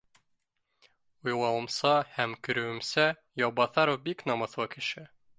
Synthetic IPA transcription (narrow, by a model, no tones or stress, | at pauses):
ujlˠɑwɤ̆msɑhæmkyɾɵɘ̆msæ | jɒbɑθɑɾovbiknɒmɤθwɑkɘ̆ʃɘ